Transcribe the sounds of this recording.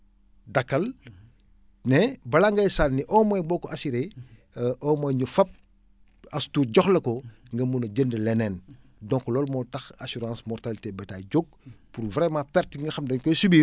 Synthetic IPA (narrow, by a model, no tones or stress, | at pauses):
dɐkːɐl | nɛbɐlaŋɡɐjsalniʔɔːmɔjbɔːkɔʔɐsiɾe | ʔɔːmɔjɲufɐp̚ | ɐstuːɟɔxlɐkɔ | ŋɡɐmunɐɟəndəlɛnɛːn | dɔ̃ŋkɔlɔːlmɔtɐxasuɾãːsmɔrtalitebɐtaɟoɡ̚puɾvɾɛmãpɛɾtŋɡɐxɐmdɐɲkɔjsubi